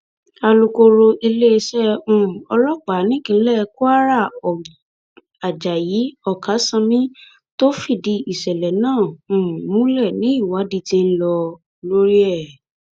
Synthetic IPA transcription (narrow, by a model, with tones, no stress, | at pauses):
a˧lu˧ko˧ɾo˧ʔi˧le˦˧sɛ˦ũ˨ɔ˧lɔ˦ɡ͡ba˨˦nĩ˦ɡĩ˨˧˦lɛ˦˧ku˦a˦ɾa˦˨ɔ˨ | a˨d͡ʒa˨ji˨˦ɔ˦˨ka˨˦sã˧mĩ˦ | to˦fi˦˨di˧i˨ʃɛ˨lɛ˨˦nãː˦˨mũ˦lɛ˦˨nĩ˨˦i˦˨wa˨˦di˧tĩ˧n̩˦lɔ˧ | lo˦ɾi˦ɛ˦˨